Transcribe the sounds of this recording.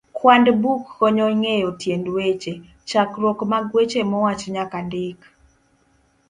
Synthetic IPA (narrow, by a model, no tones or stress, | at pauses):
kwandbukːɔɲɔŋejotjendwet͡ʃe | t͡ʃakɾɔkmaɡwet͡ʃemɔwat͡ʃɲakandɪk